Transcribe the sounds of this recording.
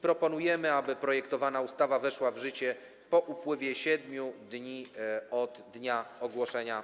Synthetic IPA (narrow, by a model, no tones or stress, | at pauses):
pɾɔpɔnujɛmɘabɘpɾɔjɛkt̪ɔvanaust̪avavɛʂwavʐɘt͡ɕɛ | pɔʔupwɘvʲjɛɕɛd̪mʲjud̪ɲiɔd̪ːɲaɔɡwɔʂɛɲa